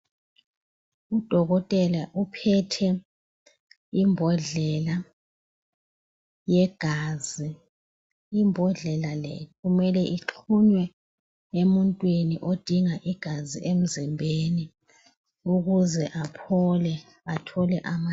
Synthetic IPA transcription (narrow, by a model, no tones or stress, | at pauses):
ud̥ʱɔɣɔtʼɛlaʔupʰɛtʰɛ | imbʱɔɮɛla | jɛɡ̥ʱazi | imbʱɔɮɛlalɛ̰ɣumɛlɛʔit͡ɬʰuɲwɛ | emuntʼwiniʔod̥ʱiŋaʔiɡ̥ʱaziʔem̩zɛmbʱeni | uɣuzɛʔapʰɔlɛ | atʰɔlɛʔama